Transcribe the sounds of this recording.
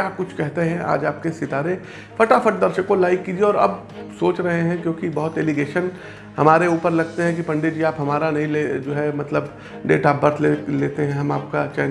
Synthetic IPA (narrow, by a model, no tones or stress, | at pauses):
aːkʊt͡ʃʰkɛɦt̪eɦɛ̃ʔa̰ːd͡ʒaːp̚kesɪt̪aːɾe | fɐʈafɐʈ̚d̪ɐɾʃəkõlaːɪkːid͡ʒieɔːɾɐ̰b | soːt͡ʃɾɐɦeɦɛ̃kjõːkibɐɦʊt̪eːliɡeːʃən | hɐmaːɾeuːpəɾlɐɡ̚t̪eɦɛ̃k̬ipɐ̃ɳɖed͡ʒiaːpɦɐmaːɾanɐɦĩled͡ʒoːɦɛmɐt̪ləb | ɖeːʈaːbbɐɾt̪ʰleleːt̪eɦɛ̃ɦɐma̰ːp̚kat͡ʃɛː